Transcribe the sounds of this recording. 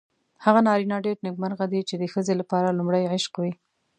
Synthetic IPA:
haɣanɑɾinɑɖeɾnɪɡ̚maɾɣad̪it͡ʃed̪əxəzelapɑɾalumɽajʕɪʃqwi

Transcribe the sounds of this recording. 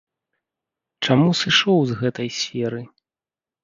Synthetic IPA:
t͡ʂamusɨʂɔwzɣɛt̪ɐjsʲfʲɛɾɨ

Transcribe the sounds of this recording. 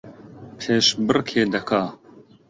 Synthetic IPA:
pʰeːʃbɨrkʰeːd̪ɐkʰaː

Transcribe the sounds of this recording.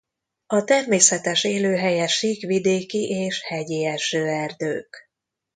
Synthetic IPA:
ɒt̪ɛrmeːsɛt̪ɛʃeːløːɦɛjɛʃikʋid̪eːkiʔeːʃhɛɟiɛʃøːɛrd̪øːk

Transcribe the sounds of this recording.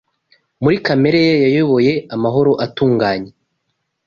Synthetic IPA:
muɾikame̞ɾejajajoβo̞je̞amaɦo̞ɾo̞ʔatuːŋɡaːɲe

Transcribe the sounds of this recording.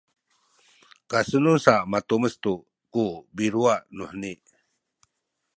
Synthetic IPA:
kasənunsaʔmat̪uməst̪u | kubiɾuaʔnuhniʔ

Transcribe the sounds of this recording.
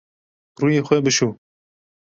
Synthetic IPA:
ruːjeːxʷɛbɨʃu

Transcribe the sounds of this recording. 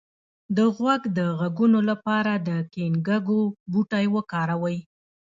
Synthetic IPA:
d̪əɣwaɡd̪əɣaɡunolapɑɾad̪əkenɡaɡobuʈajwəkɑɾawəj

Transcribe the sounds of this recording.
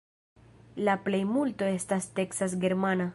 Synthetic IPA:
laple̞jmulto̞e̞staste̞ksas̬ɡe̞ɾmana

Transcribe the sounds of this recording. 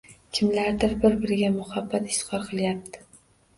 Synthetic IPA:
kʲʰɪmlaɾd̪ɪɾbɪɾbɪɾɪɡʲamʊhabːat̪ɪ̥ʃt̪ɨ̥qɒɾqʰɨlˠjap̚t̪ʰɪ̥

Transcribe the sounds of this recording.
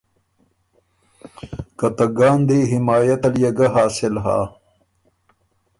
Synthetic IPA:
kɐt̪ɐɡaːnd̪eːɦɪmaːjɐt̪ɐljɐɡɐɦaːsɪlɦa̰ː

